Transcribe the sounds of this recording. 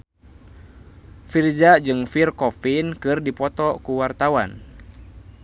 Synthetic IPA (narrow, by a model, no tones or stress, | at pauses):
firzad͡ʒɨŋfirkɔfinkɨrdipɔt̪ɔkuwart̪awan